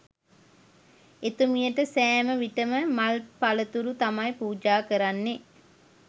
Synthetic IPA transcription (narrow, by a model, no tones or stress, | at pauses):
et̪umijəʈəsæːməʋiʈəməmɐlpalət̪uɾut̪amɐjpuːd͡ʒaːkəɾanːe